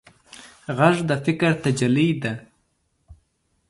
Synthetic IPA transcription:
ɣaʐd̪əfɪkɾt̪ad͡ʒalid̪a

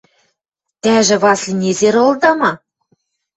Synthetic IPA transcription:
t̪æʒɘ̆βɑslʲinʲezeɾŏlˠd̪ɑmɑ

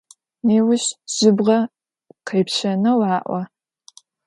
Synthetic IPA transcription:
neːwʊɕz̥ɪbʁɐ | qʰɐjpɕɐnɐwɑːʔʷɐ

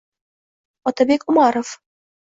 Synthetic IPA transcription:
ɒt̪ɑbekumɑɾŏf

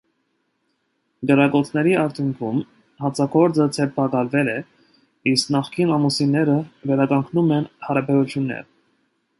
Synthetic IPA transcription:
ɡəɾɑkɔt͡sʰnɛɾiɑɾt̪ʰjuŋkʰum | hɑt͡sʰɑɡɔɾd͡zət͡sʰɛɾpʰɑkɑlvɛlɛ | isknɑχkinɑmusinɛɾəvɛɾɑkɑŋkʰnumɛnhɑɾɑbɛɾut͡sʰjunːɛ̰ɾ

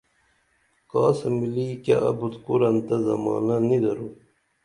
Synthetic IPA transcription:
kɑːsɐmiliːka̰ʔɐ̰but̪kuɾɐnt̪ɐzɐmɑ̰ːnɐnid̪ɐɾu

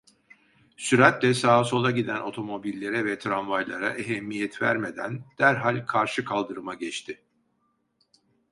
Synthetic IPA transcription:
syɾat̪lʲɛsaːso̞lˠaɟid̪æno̞t̪ʰo̞mo̞bilʲːe̞ɾɛvɛt̪ʰɾanvajlˠaɾa̰ʔeɦɛmːijɛt̪væ̰ɾme̞d̪æ̰nd̪̥æɾɦalʲkʰaɾʃɯkʰalˠd̪ɯɾɯmaɟɛt͡ʃt̪ʰɪ

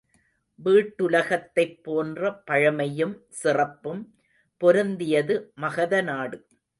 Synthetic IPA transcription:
ʋiːʈːʊlɐɣɐt̪ːɐɪpːoːndrɐpɐɻɐmɐjɯmsɪrɐpːɯm | pɔɾɯnd̪ɪjɐðɯmɐɣɐðɐnaːɽɯ

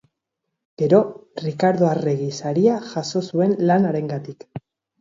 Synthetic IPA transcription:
ɡ̥e̞ɾo̞rikaɾðo̞areɣisaɾiaʝaʃo̞sue̞nlanaɾe̞ŋɡat̪ik

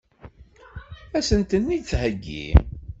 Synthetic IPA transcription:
æsənt̪ənːit͡sɦəɡːḭ

